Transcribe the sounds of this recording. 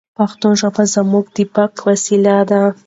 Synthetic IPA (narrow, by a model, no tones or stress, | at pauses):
paxt̪oʒabazamuɡd̪ibakwasilad̪a